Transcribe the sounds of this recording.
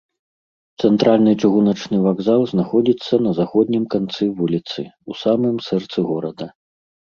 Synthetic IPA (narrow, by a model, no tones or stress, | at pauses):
t̪sɛnt̪ɾalʲnɨt͡ʂɨɣunɐt͡ʂnɨvaɡzalˠznaxɔd͡zʲit̪sːɐnɐzaxɔd̪ʲnʲimkant̪sɨvulʲit̪sɨ̰usamɨmsɛrt̪sɨɣɔɾɐd̪ɐ